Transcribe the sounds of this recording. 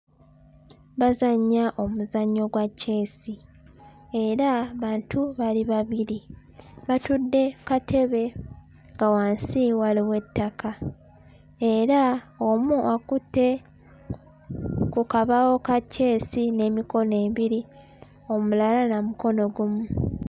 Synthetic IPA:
βazaɲːaʔo̞muzaɲːo̞ɡwacːe̞ːsi | e̞ɾaβaːntʰuβaliβaβiɾi | βatudːe̞katʰe̞βe̞ | ŋɡawaːnsiwaliwe̞tːakʰa | e̞ɾao̞muʔakutːe̞ | kukaβawo̞kacːe̞ːsine̞ːmiko̞ne̞ːβiɾi | o̞mulalanamuko̞no̞ɡumu

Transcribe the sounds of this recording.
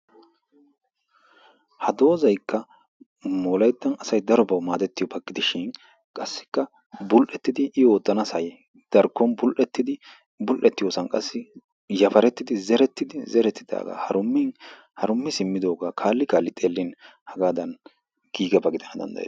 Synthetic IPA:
hɐd̪o̞ːzɐjkːɐ | moːlɐjt̪ːɐnɐsɐjd̪ɐɾɔbɐwmaːd̪ɛt̪ːɪjɔbɐɡɪd̪ɪʃɪn | kʼɐsːɪ̥kːɐ | bʊlʔɛt̪ːɪd̪ɪʔɪoːt̪ʼːɐnɐsɐjɛ | d̪̥ɐɾkːɔnbʊlʔɛt̪ːɪd̪ɪ | bʊlʔɛt̪ːɪjoːsɐnkʼɐsːɪ | jɐfɐɾɛt̪ːɪd̪ɪzɛɾɛt̪ːɪd̪ɪzɛɾɛt̪ːɪd̪a̰ːɡa̰ːhɐɾʊmːɪn | hɐɾʊmːɪsɪmːɪd̪o̞ːɡaːkʰaːlːɪkaːlːɪt̪ʼe̞ːlːɪn | hɐɡaːd̪ɐn | ɡ̥iːɡɐbɐɡɪd̪ɐnɐd̪ɐ̰nd̪ɐ̰jḛː

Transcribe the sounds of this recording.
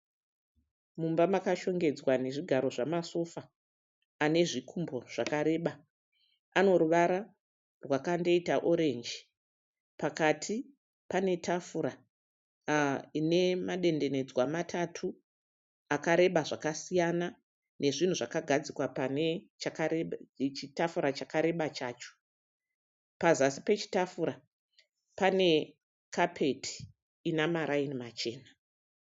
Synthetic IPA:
mumbamakaʃo̞ŋɡe̞d͡zwane̞ʐiɡʱaɾo̞ʐamaso̞fa | ane̞ʐikʰumbo̞ʐ̥akaɾe̞ːɓa | ano̞ɾuʋaɾa | rwakande̞itaʔo̞ɾe̞nd͡ʒi | pakatʰi | pane̞tʰafuɾa | ine̞maɗe̞nde̞ne̞d͡zwamatʰatʰu | akaɾe̞ɓaʐakasijana | ne̞ʐin̤uʐakaɡʱad͡zikwapane | t͡ʃakat͡ʃitafuɾat͡ʃakaɾe̞ɓat͡ʃaːt͡ʃo̥ | pazasi̥pe̞t͡ʃi̥tafuɾa | pane̞ | kapʰe̞tʰi̥ː | namaɾainimat͡ʃe̞ːna

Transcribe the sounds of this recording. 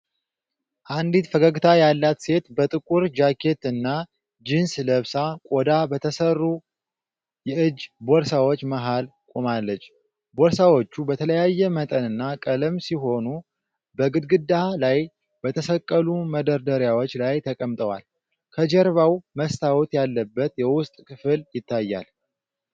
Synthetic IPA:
ʔand̪it̪fəɡəɡɨt̪ʰajalːat̪se̞t̪bət̪ʼɨkʼuɾd͡ʒakʰe̞t̪ɨnːa | d͡ʒinsləβsakʼod̪abət̪ʰəsərːu | jɛʔɨd͡ʒːboɾsawot͡ʃːmaɦalkʼomalːət͡ʃː | bo̞ɾsawot͡ʃːubət̪ʰələjajːɛmət̪ʼənɨnːakʼələmsiɦo̞nu | bəɡɨd̪ɡɨd̪alaj | bət̪ʰəsəkʼːəluməd̪əɾd̪əɾjawot͡ʃːlajt̪ʰəkʼəmt̪ʼəwa̰l | kʰəd͡ʒɛɾβawməst̪ʰawut̪jalːəbːət̪jɛwʊst̪ʼkʰɨfɨljɪt̪ːajːa̰l

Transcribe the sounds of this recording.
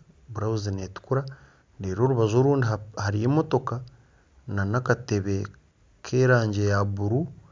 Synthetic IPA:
βuɾauzineːtu̥kuɾa | ɾeːɾo̞ːɾuβazo̞ːɾuːndiahaɾijemo̞to̞ka | nanakate̞βe̞ | kʰe̞ːɾaːɲɟe̞jaβuɾu

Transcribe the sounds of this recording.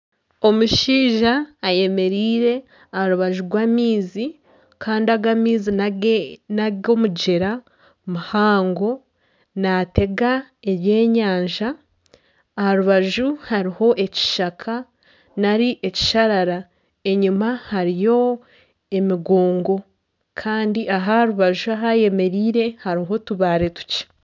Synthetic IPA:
o̞muʃiːʒaːje̞me̞ɾiːɾe̞ | ahaɾuβaʒuɾɡwaːmiːzi | kʰaːndiaɡamiːzi | nao̞muɟe̞ɾa | muhaːŋɡo̞ | nate̞ɡaeβje̞ːɲaːɲʒaː | haɾuβaʒuhaɾiho̞ʔe̞ci̥ʃakʰa | naɾiʔeci̥ʃaɾaɾa | e̞ɲumahaɾijo̞ | e̞miɡoːŋɡo̞ | kʰaːndiʔaɦahaɾuβaʒuaɦaje̞me̞ɾiːɾe̞haɾiɦo̞tuβaːɾe̞tu̥ce̥

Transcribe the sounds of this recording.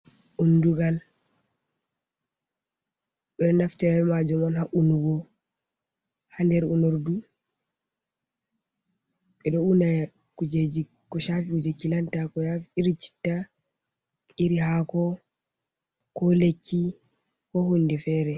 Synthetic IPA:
ʔunduɡal | ɓɛɗɔnaftɛɾaɛmad͡ʒɔmɔnhaʔunuɡɔ | handɛɾunoɾdu | ɓɛɗɔuna | kud͡ʒed͡ʒi | kɔʃafikud͡ʒakilantakɔjafiiɾit͡ʃi̥tːa | iɾiɦakɔ | kɔlekːi | kɔhundɛfɛɾɛ

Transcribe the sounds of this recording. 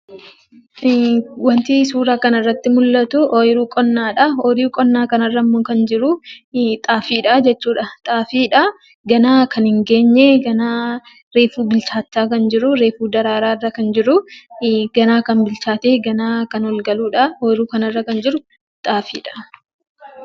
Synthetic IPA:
wɐnt̪iːsuːɾaːkɐnɪrːɐt̪ːɪmʊlːɐt̪ʊʔojɪɾuːkʼɔnːaːᶑɐoɾiːkʼɔnːaːkɐnɐrːɐmːʊkɐnd͡ʒɪɾʊt̪ʼaːfiːᶑɐd͡ʒɛt͡ʃːuːᶑɐt̪ʼaːfiːᶑɐ | ɡɐnaːkɐnhɪŋɡe̞ːɲːeɡɐnaː | ɾeːfuːbɪlt͡ʃaːt̪ːaːkɐnd͡ʒɪɾʊɾe̞ːfuːd̪ɐɾaːɾaːɪrːɐkɐnd͡ʒɪɾʊ | ɡɐnaːkɐnbɪlt͡ʃaːt̪eːɡɐnaːkɐnɔlɡɐluːᶑɐoːjɪɾuːkɐnɐrːɐkɐnd͡ʒɪɾʊ | t̪ʼaːfiːᶑɐ̥

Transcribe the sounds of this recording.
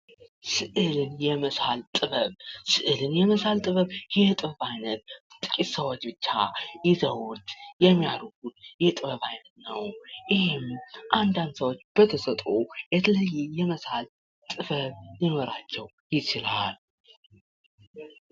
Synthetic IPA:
sɨʔɨlɨnjɛməsalt̪ʼɨβəβsɨʔɨlɨnjɛməsalt̪ʼɨβəβjɛt̪ʼɨβəβajnət̪̚t̪ʼɨkʼit̪səwot͡ʃːbɨt͡ʃːa̰jɪzəwot̪jɛmːijaɾuɡut̪jɛt̪ʼɨβəβajnət̪nəwʔɪhɪmʔand̪and̪səwo̞t͡ʃːb̥ət̪ʰəsət̪ʼojɛt̪ʰələjːɛjɛməsal | t̪ʼɨfəβinoɾat͡ʃːɛw | jɪt͡ʃɪlal

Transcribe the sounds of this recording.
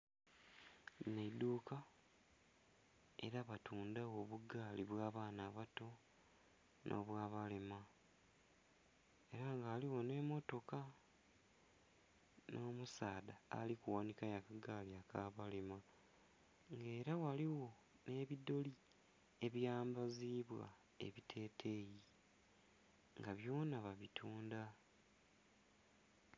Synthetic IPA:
naid̪uːka | e̞̰ɾaβatuːndawo̞βuɡaːliβwaːβaːnaːβato̞ | nʔo̰βwaːβalema | e̞ɾaŋɡaːliwo̞ne̞mo̞to̞ka | nʔo̞ːmusaːdaa̰likuwanikajakaɡaːliakaːβalema | ŋɡe̞ːɾawaliwo̞ | ne̞ːβido̞li | e̞βjaːmbaziːβwa̰ | ḛβitʰe̞ːtʰe̞ji | ŋɡaβjo̞ːnaβaβitʰuːnda

